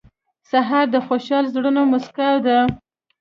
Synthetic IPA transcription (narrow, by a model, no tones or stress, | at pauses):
saɦɑɾd̪əxoʃɑlzɽənomaskawd̪a